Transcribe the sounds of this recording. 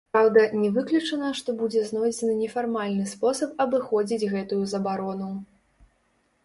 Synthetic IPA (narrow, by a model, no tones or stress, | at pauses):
pɾawd̪ɐnʲɛvɨklʲut͡ʂɐnɐʂt̪ɔbud͡zʲɛznɔjd͡zʲɛnɨnʲɛfarmalʲnɨspɔsɐp̚ɐbɨxɔd͡zʲid͡zʲɣɛt̪ujuzɐbaɾɔnu